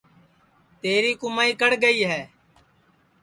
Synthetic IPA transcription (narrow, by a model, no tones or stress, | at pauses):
t̪eːɾiːkʊmaːiːkəɽɡəiːɦɛː